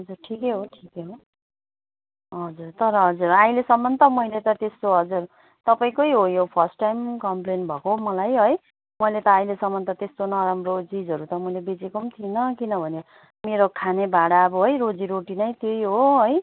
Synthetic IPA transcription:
ɦʌd͡zurʈʰikeɦoʈʰikeɦo | ɦʌd͡zurt̪ʌɾʌɦʌd͡zuraĩlesʌmːʌnt̪ʌmʌilet̪ʌt̪est̪oɦʌd͡zur | t̪ʌpaĩkojɦojopʰʌrsʈːajmkʌmplenbʱʌkomʌlajɦoj | mʌjlet̪ʌaĩlesʌmːʌnt̪ʌt̪est̪onʌɾamrot͡sid͡zʱɦʌɾut̪ʌmʌjlebet͡sekomt̪ʰinʌkinʌbʱʌne | meɾokʰanebaɽaʌbʌɦʌjɾod͡ziɾoʈinʌjt̪jojɦoɦʌj

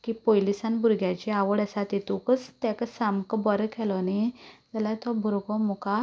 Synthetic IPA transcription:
kipojlisanbʱuɾɡjat͡ɕeaʋəɽəsat̪et̪ukət͡st̪jakəsamkbəɾəkʰɛlɔned͡zalat̪ɔbʱuɾɡɔmuka

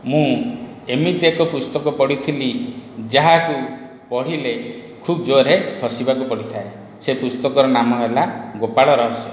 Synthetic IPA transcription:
mũ | emit̪ekɔpust̪ɔkɔpɔɽit̪ʰilid͡ʒaɦaku | pɔɽ̤ile | kʰubɔd͡ʒoɾehɔsibakupɔɽit̪ʰae | sepust̪ɔkɔɾɔnamɔɦelaɡopaɭɔɾɔɦɔsi

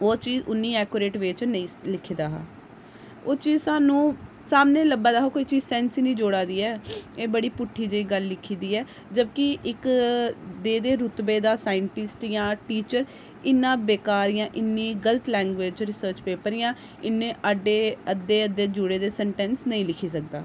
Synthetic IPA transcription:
oːt͡ʃiːzʊnːiːɛːkoːɾeːʈʋeːt͡ʃnəĩːlɪkʰːiːd̪aːɦa̰ː | oːt͡ʃiːzsaːnũː | saːmnẽːləbaːd̪aːɦoːkoːiːt͡ʃiːzsɛːnsinĩːd͡ʒoːɽaːd̪iːɛːeːbəɽiːpʊʈʰːiːd͡ʒeiːɡəlːɪkʰiːd̪iːɛː | d͡ʒəbkɪʔɪk | d̪eːd̪eːɾʊt̪beːd̪aːsaːɪɳʈɪsʈjãːʈiːt͡ʃəɾ | ɪnːãːbeːkaːɾijãːʔɪnːiːɡələt̪lɛːŋɡʋeːd͡ʒt͡ʃɾɪsəːɾt͡ʃpeːpəɾijãː | ɪnːẽːʔəɖeːəd̪ːeːəd̪eːd͡ʒʊɽeːd̪eːsɛɳʈɛ̃ːnsnəĩːlɪkʰiːsək̚d̪a̰ː

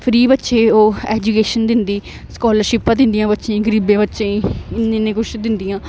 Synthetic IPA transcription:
pʰɾiːbətːʃeːoːɛːd͡ʒukeːʃənd̪ɪnd̪iː | skɔːləɾʃɪpːãːd̪ɪ̃nd̪ijãːbətːʃẽːɡəɾiːbẽːbətːʃẽːĩɪnẽːnẽːkʊʃd̪ɪnd̪ijãː

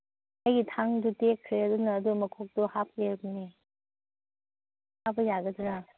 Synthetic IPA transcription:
ajɡitʰaŋdutekʰːɾeɐdunɐːdumɐkʰok̚duhap̚lebɐne | hap̚ɐjaɡɐduna

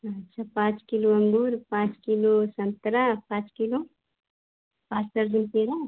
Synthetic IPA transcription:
ɐtːʃʰapãːt͡ʃkiloɐ̃ŋɡuːɾpãːt͡ʃkilosɐ̃nt̪ɾapãːt͡ʃkilo | pãːt͡ʃtɐɾzunp̪eːɾa

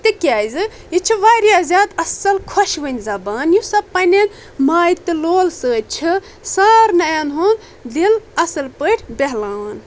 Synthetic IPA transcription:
t̪ɨkjaːjzɨ | jit͡ʃʰiʋaɾjazʲaːd̪ɐsɐlkʰoʃʋənʲzɐbaːnjusɐbpɐnʲen | maːit̪ɨloːlsət͡ʃʰi | saːɾnɐjanɦon | d̪ilɐsɐlpəʈʲʰbeɦlaːn

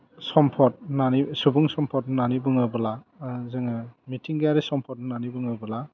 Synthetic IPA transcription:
sɔmpʰɔt̚nanisubɯŋsɔmpʰɔt̚nnanibɯŋɯbɯlazɯŋɯmitʰiŋɡɯjaɾesɔmpʰɔt̚nnanibɯŋɯbɯla

